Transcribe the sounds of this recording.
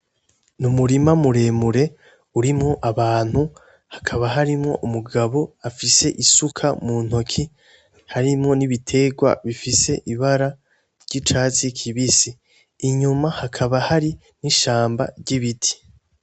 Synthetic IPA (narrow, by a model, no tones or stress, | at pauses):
numuɾimamuɾe̞ːmuɾe̞ | uɾimŋo̞ʔaβaːn̥hu | hakʰaβaɦaɾimŋo̞ʔumuɡaβo̞afise̞ʔisukʰamun̥ho̞kʰi | haɾimŋo̞niβitʰe̞ɡwa̰βifise̞ʔiβaɾa | ɾɟit͡ʃaːt͡sikʰiβisiː | ɲumahakʰaβahaɾi | niʃaːmba̰ɾɟiβitʰi̥